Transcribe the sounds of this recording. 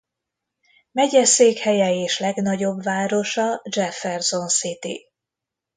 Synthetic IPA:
mɛɟɛseːkhɛjɛeːʃlɛɡnɒɟo̞bvaːɾo̞ʃɒd͡ʒɛfɛrzo̞nsit̪ḭ

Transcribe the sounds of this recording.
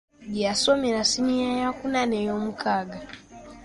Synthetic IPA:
d͡ʒiasɔmiɾasiɲijajakunanɛjɔmukaɡa

